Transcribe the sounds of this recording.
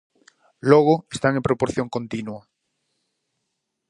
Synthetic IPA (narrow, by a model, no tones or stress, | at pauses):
loɣ̞oest̪aŋempɾopoɾθjõŋkont̪inwa